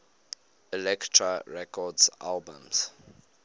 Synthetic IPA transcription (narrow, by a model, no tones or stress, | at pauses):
ɛlɛktʰɹaɹɛkɔdsa̰lbə̰̃ms